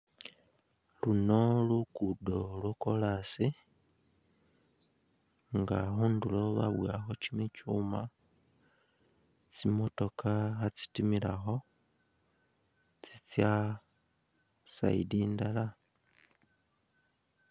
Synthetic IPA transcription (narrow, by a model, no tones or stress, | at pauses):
luno̞lukudo̞lwokolasi | ŋɡaxuːnduloβa̰βwaxocimicuma | t͡simo̞to̞kʰaxat͡si̥timilaxo̞ | t͡sit͡sja | sa̰ḭdindala